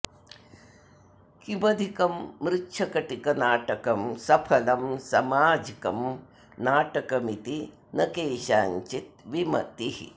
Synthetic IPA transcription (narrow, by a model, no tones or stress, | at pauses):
kimɐd̪ʱikɐmːɾɪtːʃʰɐkɐʈikɐnaːʈɐkɐmsɐpʰɐlɐmsɐmaːd͡ʒikɐm | naːʈɐkɐmit̪i | nɐkeːʃaːɲt͡ʃit̪̚ʋimɐ̰t̪iɦḭ